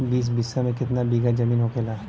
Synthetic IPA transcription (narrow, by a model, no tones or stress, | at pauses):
biːs̬bɪsamẽkɪt̪nabiːɡad͡ʒɐmiːnɦokeːlaː